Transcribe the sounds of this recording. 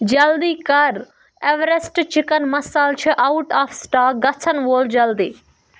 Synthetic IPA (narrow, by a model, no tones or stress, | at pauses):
d͡ʒɐld̪iːkɐɾ | eʋɾesʈt͡ʃɪkənmɐsaːlt͡ʃʰiʔawʈaːfʰsʈaːɡɐt͡sʰənʋoːld͡ʒɐld̪iː